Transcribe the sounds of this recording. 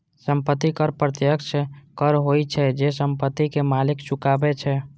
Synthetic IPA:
səmpət̪ːikəɾpɾət̪jəksekəɾɦojt͡ʃʰɛd͡ʒesəmpət̪ːikemalɪkt͡ʃʊkabet͡ʃʰɛ

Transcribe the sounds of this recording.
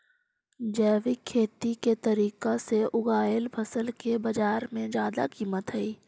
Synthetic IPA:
d͡ʒɛːʋikʰːeːt̪iket̪ɐɾiːkaseʔʊɡaːjəlpʰɐsəlkebɐd͡ʒaːɾmẽd͡ʒaːd̪a̰kiːmət̪ɦɛiː

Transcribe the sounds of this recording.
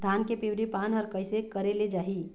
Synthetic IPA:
d̪ʱaːnkepiwɾipaːnɦəɾkəɪsekəɾeled͡ʒaːɦi

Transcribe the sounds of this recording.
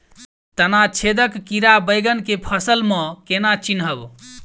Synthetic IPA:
t̪ənat͡ʃʰed̪əkːiɾabəjɡənkepʰəsəlmə̃kenat͡ʃinɦəb

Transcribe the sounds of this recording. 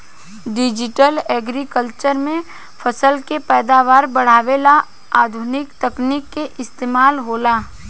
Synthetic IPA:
ɖɪd͡ʒɪʈəlɛːɡɾikəlt͡ʃəɾmẽ | fʰəsəlkepɛːd̪aːʋaːɾbɐɽ̤aːʋela | aːd̪ʱʊnɪkt̪ɐknɪkːeʔɪst̪eːmaːlɦoːlaː

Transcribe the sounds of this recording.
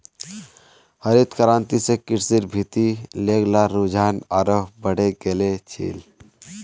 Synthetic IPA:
həɾit̪kəɾãːnt̪isekɪɾsiɾbʱit̪ileːɡlaɾud͡ʒʱaːnaɾəɦbəɽeɡeːlet͡ʃʰḭːl

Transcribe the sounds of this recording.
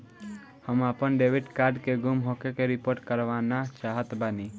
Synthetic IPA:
həmapənɖeʋiɖkaɾɖkeɡumɦokekeɾipoɾʈkəɾʋanat͡ʃaɦət̪bəni

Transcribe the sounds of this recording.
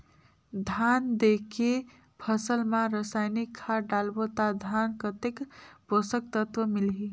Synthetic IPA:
d̪ʱand̪eke | pʰəsəlmãɾəsajnikʰːaɖalbot̪ad̪ʱankət̪ekposəkt̪ət̪wəmilɦi

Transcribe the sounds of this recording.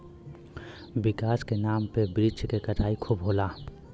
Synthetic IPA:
bɪkaːskenaːmpebɾɪt͡ʃkekɐʈʰaːikʰubɦoːlaː

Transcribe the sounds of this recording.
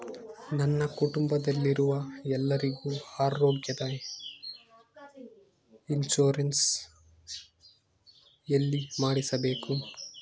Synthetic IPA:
nɐnːɐkuʈumbɐd̪ɐlːiɾuʋɐɛlːɐɾiɡuːaːɾoːɡjɐd̪ɐ | int͡ʃuːɾɐns | jɐlːimaːɽisɐbeːku

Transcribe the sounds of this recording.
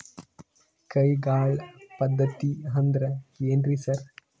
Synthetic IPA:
kɐjɡaːɭpɐd̪ʱːɐt̪ːiɦɐnd̪ɾɐkeːndɾisɐɾ

